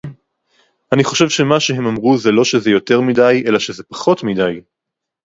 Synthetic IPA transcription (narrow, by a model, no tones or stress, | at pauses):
aniχo̞ʃe̞vʃemaʃeɦe̞mamʁuzelo̞ʃezejo̞te̞ʁmidaje̞laʃezepḁχo̞tmidaj